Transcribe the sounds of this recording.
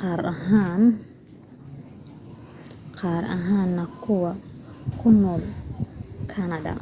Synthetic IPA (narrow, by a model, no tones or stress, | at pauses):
qɑːɾɐɦaːn | qɑːɾɐ̰ɦaːnːɐkʰʊwɐkʰʊnɔːl | kʰɐnɐdɐ̰